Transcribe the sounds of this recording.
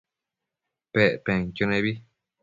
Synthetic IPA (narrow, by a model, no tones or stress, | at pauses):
peʔpẽŋkonẽβi